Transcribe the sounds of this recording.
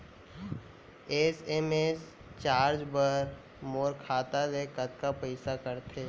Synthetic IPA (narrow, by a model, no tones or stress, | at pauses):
eːseːmeːs | t͡ʃaːɾd͡ʒbəɾ | moːɾkʰaːt̪alekət̪̚kapəɪsakəɾt̪ʰeː